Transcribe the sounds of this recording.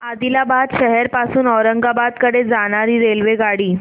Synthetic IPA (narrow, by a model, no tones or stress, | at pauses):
ad̪ilabad̪ɕəɦɛɾpasuːnɔɾəŋɡabad̪kəɽed͡zaɽ̃aɾiːɾelʋeɡaɽiː